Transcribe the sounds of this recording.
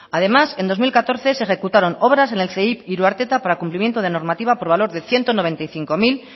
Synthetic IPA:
að̞e̞mase̞nd̪o̞zmilkat̪o̞ɾθe̞se̞xe̞kut̪aɾo̞no̞β̞ɾase̞ne̞lθe̞ipiɾuaɾt̪e̞t̪apaɾakumplimjent̪oð̞e̞no̞ɾmat̪iβ̞apo̞ɾβ̞alo̞ɾðe̞θje̞nt̪ono̞β̞e̞nt̪ajθiŋko̞mil

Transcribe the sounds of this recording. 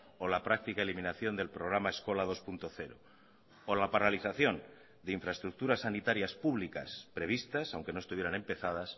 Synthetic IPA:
olapɾak̚t̪ikaelimĩnaθjo̞nd̪e̞lpɾo̞ɣ̞ɾamae̞sko̞lað̞o̞spunt̪o̞θe̞ɾo̰ | olapaɾaliθaθjo̞n | d̪eiɱfɾaest̪ɾuk̚t̪uɾasːanit̪aɾjaspuβlika̰spɾe̞β̞ist̪asawŋke̞no̞est̪uβjeane̞mpe̞θað̞as

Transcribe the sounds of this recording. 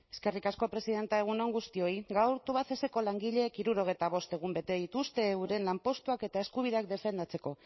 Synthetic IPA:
e̞ske̞rikasko̞pɾe̞sið̞e̞nt̪aeɣ̞uno̞ŋɡust̪io̞iɣawɾt̪uβaθeseko̞laŋɡiʎe̞kiɾuɾo̞ɣ̞e̞jt̪aβ̞o̞st̪e̞ɣ̞umbe̞t̪e̞ðit̪ust̪e̞ːwɾe̞nlampo̞st̪uake̞t̪ae̞skuβ̞iðeakd̪e̞fe̞nd̪at͡se̞ko̞

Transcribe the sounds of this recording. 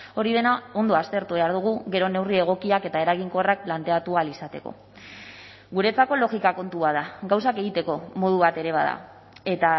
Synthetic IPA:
o̞ɾið̞e̞nao̞nd̪o̞ast̪e̞ɾt̪uβeaɾð̞uɣ̞uɣe̞ɾo̞ne̞wrie̞ɣ̞o̞kiake̞t̪ae̞ɾaɣiŋko̞rak̚plant̪e̞at̪ualisat̪e̞ko̞̰ | ɡuɾe̞t͡sako̞lo̞ɣikako̞nt̪uað̞aɡawsake̞ɣ̞it̪e̞ko̞mo̞ð̞uβ̞at̪e̞ɾe̞βaða̰ | e̞t̪a

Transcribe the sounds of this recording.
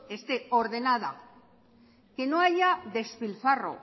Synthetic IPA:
e̞st̪e̞o̞ɾðe̞nað̞a | ke̞no̞ajaðe̞sfilfaro̞̰

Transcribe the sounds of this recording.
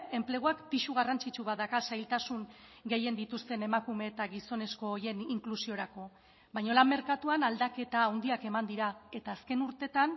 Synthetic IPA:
e̞mple̞ɣoakpiʃuɣ̞arant͡sit͡ʃuβaðakasajlt̪asuŋɡe̞je̞nd̪it̪ust̪e̞ne̞makume̞ːt̪aɣiso̞ne̞sko̞ːje̞niŋklusio̞ɾako̞ | bajɲo̞lammːe̞ɾkat̪uanald̪ake̞t̪aːwnd̪iake̞mand̪iɾae̞t̪aːske̞nuɾt̪e̞t̪an

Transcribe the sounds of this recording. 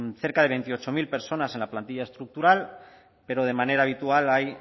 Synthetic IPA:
θe̞ɾkaðe̞β̞ent̪io̞t͡ʃomilpe̞ɾso̞nase̞nlaplant̪iʎae̞st̪ɾuk̚t̪uɾal | pe̞ɾo̞ð̞e̞mane̞ɾaːβ̞it̪ualaj

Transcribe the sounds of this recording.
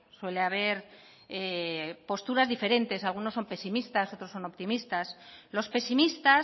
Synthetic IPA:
swe̞leaβ̞e̞ɾ | epo̞st̪uɾazðife̞ɾẽ̞nt̪e̞salɣ̞uno̞sːo̞mpe̞simist̪aso̞t̪ɾoso̞no̞pt̪imist̪aslo̞spe̞simist̪a

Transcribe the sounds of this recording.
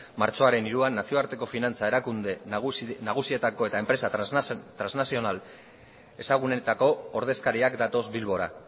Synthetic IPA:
maɾt͡so̞aɾe̞niɾuanːasio̞aɾt̪e̞ko̞finant͡sae̞ɾakund̪enaɣ̞usie̞t̪ako̞e̞t̪ae̞mpɾe̞sat̪ɾaznasio̞nal | e̞saɣ̞une̞t̪ako̞ːɾð̞e̞skaɾiakd̪at̪o̞zbilβo̞ɾa̰

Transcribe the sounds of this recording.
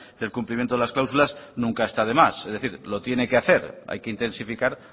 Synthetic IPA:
d̪e̞lkumplimjent̪oelasklawsulaznũŋkae̞st̪aðe̞masezðe̞θiɾlo̞t̪je̞ne̞keaθe̞ɾa̰jkeint̪ẽ̞nsifikaɾ

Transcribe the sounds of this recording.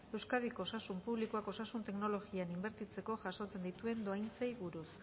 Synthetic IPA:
e̞wskað̞iko̞ːsasumpuβlikuako̞sasunt̪e̞kno̞lo̞ɣianimbe̞ɾt̪it͡se̞ko̞ʝaso̞t͡se̞nd̪it̪ue̞nd̪o̞ajnt͡sejβuɾus

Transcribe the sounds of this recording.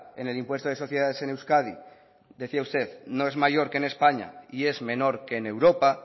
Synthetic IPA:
ḛne̞limpwe̞st̪oðeso̞θje̞ð̞aðese̞newskað̞i | d̪e̞θiaust̪e̞ðnoe̞zmaʝo̞ɾkene̞spaɲa̰ie̞zmẽ̞no̞ɾke̞ːne̞wɾo̞pa

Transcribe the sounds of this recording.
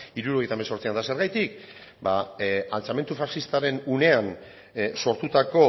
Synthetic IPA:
iɾuɾo̞e̞jt̪ameso̞ɾt͡siand̪ase̞ɾɣajt̪ik | baalt͡same̞nt̪ufasist̪aɾe̞nune̞an | so̞ɾt̪ut̪ako̞

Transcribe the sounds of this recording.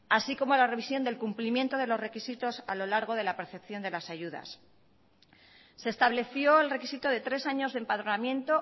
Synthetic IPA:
asiko̞mo̞lare̞βisjo̞nd̪e̞lkumplimjent̪o̞ðe̞lo̞zre̞kisit̪o̞sa̰lo̞laɾɣ̞o̞ð̞e̞lape̞ɾθe̞pθjo̞nd̪e̞lasaʝuða̰s | e̞ːst̪aβle̞θjo̞elre̞kisit̪oðe̞t̪ɾe̞saɲo̞zðempað̞ɾonamjẽ̞nt̪o̞

